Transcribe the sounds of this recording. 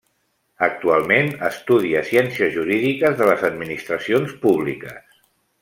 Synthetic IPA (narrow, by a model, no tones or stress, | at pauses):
ək̚t̪ualˠmenəst̪uð̞iəsjɛnsiəzʒuɾiðikəzðələzəd̪minist̪ɾəsionspuβlḭkəs